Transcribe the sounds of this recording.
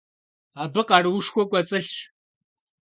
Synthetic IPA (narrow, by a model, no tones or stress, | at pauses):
aːbɨqɑrɨwʊʂxʷɔkʷʼɐt͡sʼɨɬ